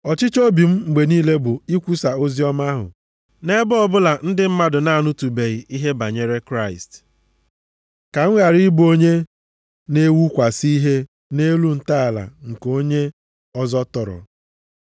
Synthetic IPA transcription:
ɔ˨t͡ʃɪ˦t͡ʃo˦bi˨m̩˦ŋ͡m̩˨ɡ͡be˨niː˦le˦bʊ˨i˦kʷu˦sa˨o˦zi˦ɔ˦ma˦ɦʊ̰˨ | ne˦bʊ˦ɔ˨bʊ˦la˨n̩˦dɪ˦m̩˦ma˦dʊ˨na˦a˨nʊ˦tu˨be˨i˨ʔi˦ɦe˦ba˨ɲe˦ɾe˦kɾa˦˨ɪ̰˨st | ka˨ŋ̩˦ɣa˨ɾi˦bo˦ɲe˦ | ne˦wu˦kʷa˨si˦i˦ɦe˦ | ne˦lu˦n̩˦ta˦a˨la̰˨ŋ̩˨ko˦ɲe˦ | ɔ˦zɔ˦tɔ˨ɾɔ̰˨

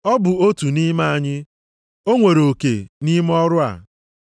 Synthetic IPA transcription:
ɔ˦bʊ˨o˦tu˨ni˦ma˦a˨ɲɪ˦ | o˦ŋʷe˨ɾo˨kḛ˨ni˦m˦ɔ˦ɾʊ˦a̰˨

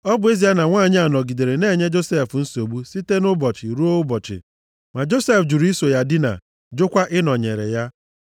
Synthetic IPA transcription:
ɔ˦bʊ˨˦e˦zi˨a˦na˨ŋʷaː˦˨ɲ˦a˨nɔ˨ɡi˨de˨ɾe˨ne˦˨ɲe˦d͡ʒo˦se˦˨fn̩˦so˨bu˦si˦te˦nʊ˦bɔ˨t͡ʃɪ˨ɾu˦o˦ʊ˦bɔ˨t͡ʃɪ̰˨ | ma˨d͡ʒo˦se˦fd͡ʒu˨ɾi˦so˨ja˦dɪ˦na̰˨ | d͡ʒʊ˦kʷa˦ʔɪ˦nɔ˨ɲe˨ɾḛ˨ja˦

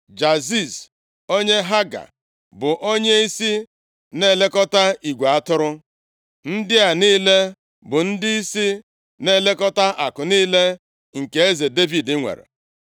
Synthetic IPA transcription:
d͡ʒa˨zi˦˨s | o˦ɲe˦ɦa˦ɡa̰˨ | bʊ˨ʔo˦ɲe˦i˦si˦ | ne˦˨le˦kɔ˦ta˦i˨ɡʷe˨a˦tʊ˦ɾʊ˦ | n̩˦dɪ˦a˨niː˦le˦ | bʊ˨n̩˦dɪ˦i˦si˦ | ne˦˨le˦kɔ˦ta˦ʔa˨kʊ˨niː˦le˦ | ŋ̩˨ke˨e˦ze˨de˦vi˨dɪ˦ŋʷḛ˨ɾḛ˨

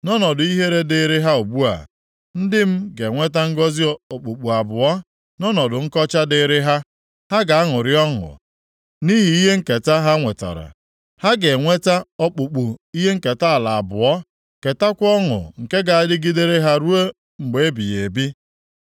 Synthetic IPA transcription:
nɔ˦nɔ˨dʊ˨i˦ɦe˦ɾe˦dɪ˨ɾɪ˦ɦa˦o˨bu˦a̰˨ | n̩˦dɪ˦m̩˦ɡe˨ŋʷe˦ta˦ŋ̩˦ɡɔ˦zɪ˦o˨k͡pu˨k͡pu˨a˨bʊ˨ɔ˦ | nɔ˦nɔ˨dʊ˨ŋ̩˦kɔ˦t͡ʃa˦dɪ˨ɾɪ˦ɦa˦ | ha˦ɡa˨a˦ŋʊ˨ɾɪ˦ɔ˦ŋʊ̰˨ | ni˦ɦi˨i˦ɦe˦ŋ̩˦ke˨ta˦ɦa˦ŋʷe˨ta̰˨ɾa̰˨ | ha˦ɡe˨ŋʷe˦ta˦ɔ˦k͡pu˨k͡pu˨i˦ɦe˦ŋ̩˦ke˨ta˦a˨la˨a˨bʊ˨ɔ˦ | ke˨ta˦kʷɔ˦ŋʊ̰˨ŋ̩˨ke˦ɡa˨a˨dɪ˦ɡi˦de˦ɾe˦ɦa˦ɾu˦e˦ | ŋ͡m̩˨ɡ͡be˨e˦bi˨je˨bi˦

